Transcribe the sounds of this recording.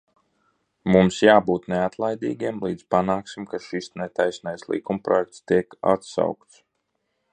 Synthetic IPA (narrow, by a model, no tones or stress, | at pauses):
mumsjaːbuːt̪neat̪lˠajd̪ḭːɡʲiɛmlˠiːd̪z̥panaːksimkaʃisnet̪ajsnajslˠḭkumpɾɔ̰jɛk̚t̪st̪iɛka̰t̪sa̰wkt̪s